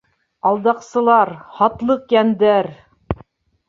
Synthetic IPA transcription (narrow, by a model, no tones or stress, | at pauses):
ɑlˠd̪ɑqsɤ̆lˠɑɾhɑt̪lˠɤqjænd̪æɾ